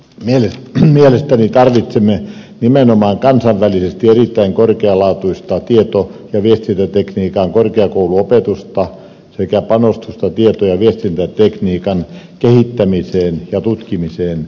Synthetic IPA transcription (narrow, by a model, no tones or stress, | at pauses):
mielemielest̪ænit̪ɑrʋit̪semːe | nimenomɑːŋkɑnsɑʋʋælisest̪ierit̪ːæiŋkorkeɑlɑːt̪uist̪ɑt̪iet̪ojɑʋiest̪int̪æt̪ekniːkɑŋkorkeɑkouluopet̪ust̪ɑ | sekæpɑnost̪ust̪ɑt̪iet̪ojɑʋiest̪int̪æt̪ekniːkɑn | kehit̪ːæmiseːnjɑt̪ut̪kimiseːn